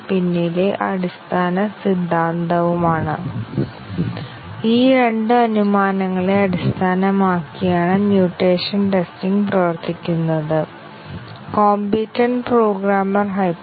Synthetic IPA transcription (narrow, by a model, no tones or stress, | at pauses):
pinːileʔɐɽist̪ʰaːnɐsid̪ʱːaːnd̪ɐʋumaːɳɨ | iːɾe̞ɳɖɨɐnumaːnɐŋːɐɭeɐɽist̪ʰaːnɐmaːkːijaːɳɨmjuːʈreːʂɐnʈe̞stiŋɡprɐʋɐrt̪ʰːikʲːunːɐðɨ | koːmbitːɐnpro̞ːɡɾaːmɐrɦɐj